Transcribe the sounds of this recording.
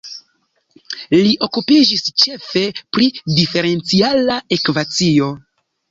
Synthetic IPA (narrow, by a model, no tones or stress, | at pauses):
liʔo̞kupid͡ʒist͡ʃe̞fe̞pɾidife̞ɾe̞nt͡sialae̞kvat͡sio̞